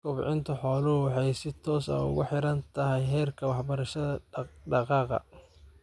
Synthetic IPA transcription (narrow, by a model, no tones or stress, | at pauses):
kʰʊbʕɪnt̪ʰɐħɔːlɐɦʊwɑħɑjsɪt̪ʰɔːsɐ̰ʊ̰ɣʊ̰ħɪɾɐnt̪ʰɐɦɛjɦɛːrkʰɐwɑħbɐɾɐʃɐðɐɖɑqɑːqɑ̰